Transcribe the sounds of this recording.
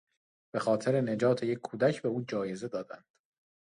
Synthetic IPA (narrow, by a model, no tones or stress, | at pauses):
b̥e̞xɒːt̪ʰeɾene̞d͡ʒɒːt̪ʰe̞jecʰːuːd̪æcʰbe̞uːd͡ʒɒːje̞ze̞d̪ɒːd̪ænd̪̥